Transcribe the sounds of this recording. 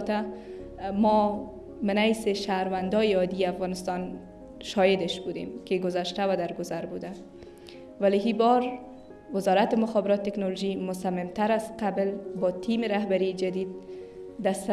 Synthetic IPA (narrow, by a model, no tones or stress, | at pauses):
t̪a | mɔ | mɪnajsɪʃaɾwand̪ɒjɪɒd̪iafɣɑnɪst̪ɑn | ʃɒjed̪ɪʃbud̪ḛmkɪɡʊzaʃt̪awad̪aɾɡʊzaɾbud̪a | waliɦibɔɾ | wɪzɒɾat̪ɪmʊxɔbɪɾɔt̪̚t̪ːeknɔloʒimʊsamːɪmt̪aɾaz̥qablbɒt̪ʰimɪɾaɦbaɾid͡ʒad̪id̪̚d̪as